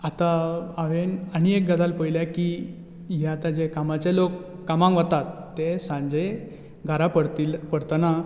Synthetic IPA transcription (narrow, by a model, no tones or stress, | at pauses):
at̪aaʋenaɽ̃iek̚ɡad̪alpəjiljaki | ɦaat̪ad͡ʑekamat͡ɕelokː | amãŋɡʋət̪at̪ːesãɲd͡ʑe | ɡʱaɾapəɽt̪ilpəɽt̪əna